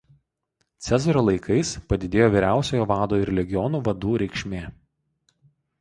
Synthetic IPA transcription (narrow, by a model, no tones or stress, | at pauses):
t̪sʲɛzɔɾoːlˠɐɪkɐɪspɐd̪ʲɪd̪ʲeːjoːʋʲiːɾʲæˑʊsʲoːjoːʋɑːd̪oːɪɾlʲɛɡʲɪjɔnuːʋɐd̪uːɾʲɛɪkʃʲmʲeː